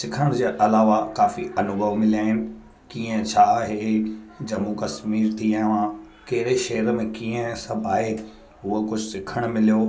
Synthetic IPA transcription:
sɪkʰəɽ̃d͡ʑeːʔɐlaːʋakaːfiʔɐnʊɡʱəʋmɪlijaːɦɪnɪ̆ | kiːə̃t͡ɕʰaɦeːd͡ʑɐmukɐsmiːɾt̪iːə̃ʋã | kɐɦɪɾeʃɐɦəɾmẽkiːə̃sɐbʱaːe | ɦʊokʊd͡ʑʱʊsɪkʰəɽ̃mɪlijoː

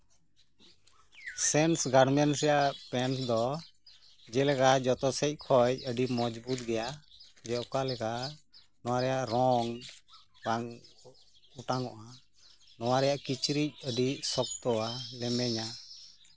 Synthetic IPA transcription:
sɛnsɡaɽmɛnsɛjaʔpɛnsd̪ɔ | d͡ʒɛlɛkad͡ʒɔt̪ɔsɛc̚ˀkʰɔj̚əɖimɔd͡ʒbut̪̚ɡɛjad͡ʒɛɔkalɛka | nɔwaɾɛjaʔɾɔŋ | baŋ | uʈaŋɔʔa | nɔwaɾɛjaʔkit͡ʃɾic̚əɖisɔk̚t̪ɔwalɛmɛɲa

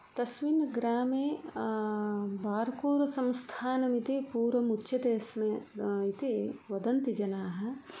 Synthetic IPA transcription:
t̪ɐsʋinɡɾaːme | baːɾkoːɾsɐ̃mst̪ʰaːnɐmit̪ipuːɾʋɐmutːʃɐt̪eːsmẽit̪eʋɐd̪ɐnt̪id͡ʒɐnaːɦɐ

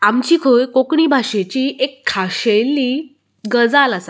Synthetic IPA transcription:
amt͡ɕiːkʰojkokɳiːbʱaɕet͡ɕiʔekʰːaɕeliː | ɡəd͡zalasa

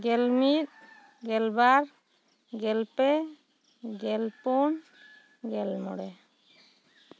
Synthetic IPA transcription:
ɡɛlmit̪̚ | ɡɛlbaɾ | ɡɛlpɛ | ɡɛlpɔn | ɡɛlmɔ̰ɽɛ

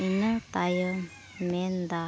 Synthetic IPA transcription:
inət̪ajə | mend̪a

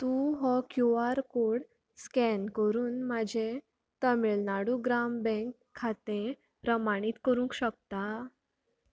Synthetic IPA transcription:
t̪uɦɔkjuaɾkoɽ | skɛnkəɾuːnmad͡ʑʱe | t̪əmeɭnaɽuɡɾambɛ̃ŋkʰːat̪ẽ | pɾəmaɽ̃it̪kəɾũŋkɕək̚t̪a

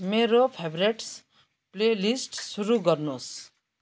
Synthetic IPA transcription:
meɾopʰebɾeʈs | plelisʈsuɾuɡʌrnos

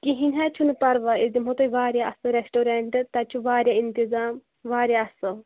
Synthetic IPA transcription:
kiɦinʲɦaːt͡ʃʰunɨpɐɾʋaezimɦot̪ojʋaːɾʲjaɐsɨɾesʈoːɾeɳʈt̪ɐt͡ʃʰuʋaːɾʲjaint̪izaːm | ʋaːɾʲjaɐsɨ

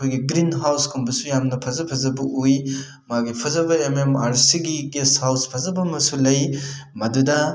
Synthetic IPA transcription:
kʰojɡiɡɾinɦawskʰumbɐsujamnɐpʰɐzɐpʰɐzɐbɐʔuj | maɡipʰɐzɐbɐememaɾsiɡiɡeshawspʰɐzɐbɐmɐsulɐjmɐdudɐ

